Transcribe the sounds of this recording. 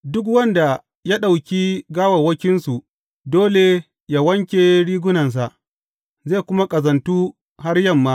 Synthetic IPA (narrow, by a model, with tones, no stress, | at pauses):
dʊ˦k̬wɐ˦nda˨ | ja˦ɗa˨wkʲi˦ɡaː˦wɐ˨wɐ˦kʲɪ˦nsu˨ | doː˦le˨ | jaː˦wɐ˦ŋkʲe˨ɽiː˦ɡʷʊ˦nɐ˨ns̬a˨ʔ | zeː˦˨kʷʊ˦ma˦kʼɐ˨zɐ˨ntuː˦ | ha˦rjɐ˦˨mːaː˦